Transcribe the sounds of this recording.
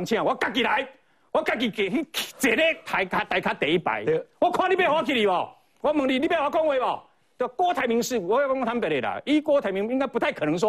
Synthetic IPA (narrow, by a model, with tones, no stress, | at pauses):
ŋt͡ɕʰj̃ã˧˨wɔ˦ka˧˩k̬i˨ɾa˨˦j | wɔ˦ka˧˨k̬i˨ke˨i˦kʰt͡se˨˩ɾe˦t̪ʰa˨˧˦jkʰa˧t̪a˨˧jkʰa˦t̪e˨˦i˦pa̰˨jwɔ˦kʰwã˦ɾi˦be˦˧hwa˦kʰi˨˧ɾi˨bɔ˨˩ | wɔ˦mə˨˦ŋli˧˦li˦pe˧˦hwa˧˩kɔ˦ŋwe˧˦bɔ˨ | t̪o˧˩kwɔ˦t̪ʰa˨˧˦jmi˧˦ŋs̩˥˨wɔ˦˧˦kɔ˦t̪ʰa˧˦mpe˧˨ɾe˨˩la̰˨i˦kwɔ˦t̪ʰa˨˧jmi˧ŋi˦ŋ˦ka˦pu˧˦t̪ʰa˥˨kʰə˨nə˨˦ŋs̬wɔ˦